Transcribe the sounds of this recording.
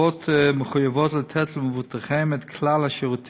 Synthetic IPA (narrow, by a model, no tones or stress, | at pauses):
ɔtməχujəvɔtlətʰɛtl̩ˠməvutəχɛmɛtkʰlalˠaʃiʁutʰ